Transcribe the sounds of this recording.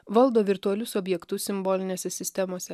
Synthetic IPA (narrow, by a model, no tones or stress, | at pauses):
ʋɐlˠd̪oːʋʲɪɾt̪ʊɐlʲʊsɔbʲjɛkt̪ʊsʲɪmboːlʲɪnʲeːsʲɛsʲɪsʲt̪ʲɛmoːsʲɛ